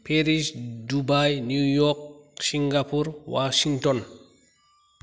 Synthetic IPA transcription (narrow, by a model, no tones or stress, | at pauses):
peɾiʃdubajnjujɔk̚siŋɡapuɾwaʃiŋtɔn